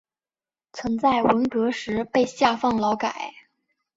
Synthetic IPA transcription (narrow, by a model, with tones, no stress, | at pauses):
t͡sʰwə˧˥ŋt͡sa˥˩ɪwə˧˥nkɤ˧˥ʂɻ̩˧˥pe˥˧ɪɕja˥˧fɑ˥˩ŋlɑ˧˥ʊka˨˩˦ɪ